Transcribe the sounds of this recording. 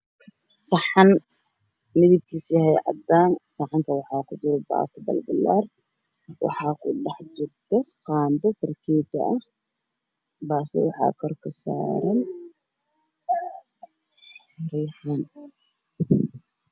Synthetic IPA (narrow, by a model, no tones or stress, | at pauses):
sɑħɑn | mɪðib̚kʰishɛjʕɑ̰d̪aːnsɑħɑŋk̪ʰɐwɑħɑːkʰʊd̪ʊɾɛba̰ːst̪ɐbɐ̰lbɐlːa̰ːr | wɑ̰ħɑːkʰʊɖɑħd͡ʒɪrt̪ʰɔqɑːnd̪ɔfɪrkʰɛːt̪ʰɐ̰ʔɐh | baːst̪ɛ̰wɑħɑ̰ːkʰɔrkʰɐsa̰ːɾɐn | ɾiːħan